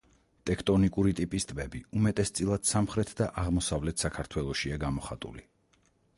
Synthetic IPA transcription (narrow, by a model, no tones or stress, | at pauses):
t̪ʼɛkʰt̪ʼɔnikʼuɾit̪ʼipʼist̪ʼbɛbiumɛt̪ʼɛst̪sʼilˠad̪̥samχɾɛt̪ʰd̪aʔaʁmɔsavlɛt̪ʰsakʰaɾt̪ʰwɛlˠɔʃiaɡamɔχa̰t̪ʼṵli